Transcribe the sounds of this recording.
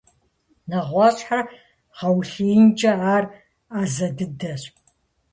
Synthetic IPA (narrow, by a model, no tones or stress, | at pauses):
nɐʁʷɑɕʼħa | ʁɐwɬijnt͡ʃʼɐaːr | aːzɐdɨdɐɕʼ